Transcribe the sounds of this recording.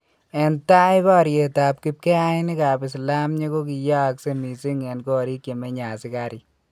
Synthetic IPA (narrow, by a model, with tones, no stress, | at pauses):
ɛ˨nta˦ɪ˦bɔ˦ɾje˨ta˨p̚ki˦p̚kɛ˦a˦ɪ˦nɪ˦ka˨pɪ˨sla˦mɲe˦ko˦k̬i˨ja˦˨kse˦mi˨si˦ŋɛ˨nkɔ˦ɾi˦kje˨me˦ɲa˨sɪ˦ka˦ɾɪ˨